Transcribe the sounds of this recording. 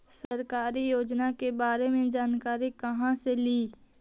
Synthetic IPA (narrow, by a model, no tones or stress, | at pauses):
sɐɾkaːɾijoːd͡ʒnakebaːɾemẽd͡ʒaːnkaːɾikɐɦãseliː